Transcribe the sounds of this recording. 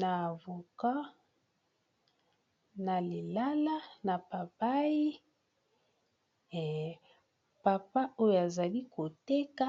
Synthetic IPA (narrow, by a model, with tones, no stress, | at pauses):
na˨vo˨ka˦ | na˨li˨la˦la˦na˨pa˨ba˦ji˦˨ | pa˨pa˦o˦jo˨a˨za˨li˦ko˨te˦ka˦